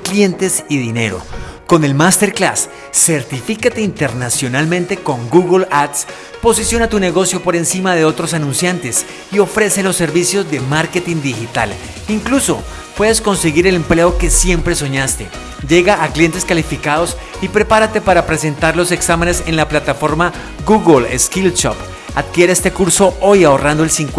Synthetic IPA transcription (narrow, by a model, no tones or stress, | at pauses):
klje̞nt̪e̞siðine̞ɾo̞̰ | ko̞ne̞lmast̪e̞ɾklasː | e̞ɾt̪ifikat̪e̞int̪e̞ɾnasjo̞nalmẽnt̪e̞ko̞ŋɡuɣlat̪s | po̞sisjo̞nat̪une̞ɣo̞sjo̞po̞ɾe̞nsimaðe̞o̞t̪ɾo̞sanũnsjant̪e̞s | io̞fɾe̞se̞lo̞sːe̞ɾβisjo̞zd̪e̞maɾke̞t̪ind̪ixit̪a̰l | iŋkluso̞̰ | pwe̞ðe̞sko̞nse̞ɣiɾe̞le̞mple̞o̞ke̞sje̞mpɾe̞so̞ɲast̪e̞ | d͡ʒe̞ɣaʔːklje̞nt̪e̞skalifikaðo̞s | ipɾe̞paɾat̪e̞paɾapɾe̞s̬e̞nt̪aɾlo̞se̞ksamene̞se̞nlaplat̪afo̞ɾma | ɡuɣolḛskilt͡ʃo̰p | aðkje̞ɾeest̪e̞kuɾso̞o̞jao̞rand̪o̞elsiŋk